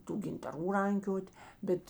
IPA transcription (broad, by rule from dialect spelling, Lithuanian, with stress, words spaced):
ˈtuː ɡʲɪntɐˈruː ˈrɐŋʲkʲoːtʲ ˈbʲɛt